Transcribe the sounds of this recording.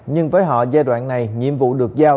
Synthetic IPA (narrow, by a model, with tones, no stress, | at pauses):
ɲɨ˧ŋvəː˨˦jɦɔ̰˧˨zaː˧jɗwaː˧˩nna˨˩jŋḭ˧˨əmvṵ˧˨ɗɨ˨˩ək̚zaː˧